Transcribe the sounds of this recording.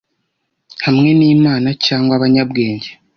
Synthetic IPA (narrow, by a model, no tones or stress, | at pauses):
hamŋe̞niːmaːnacaːŋɡwaβaɲabɡe̞ːɲɟe